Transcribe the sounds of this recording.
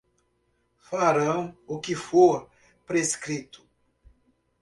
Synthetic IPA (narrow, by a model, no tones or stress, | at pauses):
faɾɐ̃w̃ʊkɪfoɾ | pɾeskɾit̪ʊ̥